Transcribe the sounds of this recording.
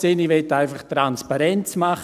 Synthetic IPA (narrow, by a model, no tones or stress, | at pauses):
seniʋɛtaɪfaχtɾanspaɾɛnt͡smaχ